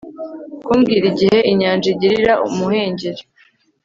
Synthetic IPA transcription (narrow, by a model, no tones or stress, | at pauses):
kuːmɡiːɾiɟihe̞ʔiɲaːnd͡ʒiɟiɾiɾaʔṵmuhe̞ːɲɟeɾe